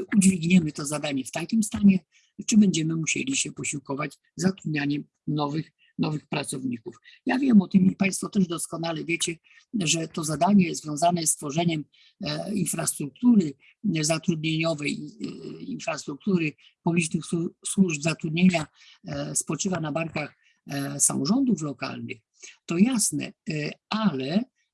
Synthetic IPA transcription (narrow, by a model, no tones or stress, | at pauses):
ud͡ʑvʲiɡɲɛmɘt̪ɔzad̪aɲɛft̪akʲimst̪aɲɛ | t͡ʂɘbɛɲd͡ʑɛmɘmuɕḛlʲiɕɛpɔɕiwkɔvad͡ʑ | zat̪ɾud̪̚ɲaɲɛm | nɔvɘx | nɔvɘxpɾat̪sɔvɲikufjavʲjɛmɔt̪ɨmipaj̃st̪fɔt̪ɛʐd̪ɔskɔnalɛvʲjet͡ɕɛ | ʐɛt̪ɔzad̪aɲɛjzvʲjɔ̃zanɛst̪fɔʐɛɲɛm | infɾast̪ɾuk̚t̪uɾɘ | zat̪ɾud̪ɲeɲɔvɛj | infɾast̪ɾuk̚t̪uɾɘ | pɔbʲit͡ʂnɘxsswuʐbzat̪ɾud̪ɲeɲa | spɔt͡ʂɘvanabaɾkax | sa̰mɔʐɔnd̪uflɔka̰lnɘ̰x | t̪ɔjasnɛ̰alɛ